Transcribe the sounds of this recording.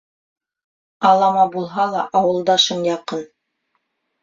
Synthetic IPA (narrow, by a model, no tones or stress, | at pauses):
ɑlˠɑmɑbulˠɦɑlˠɑʔɑwɤ̆lˠd̪ɑʃɤnjɑqɤn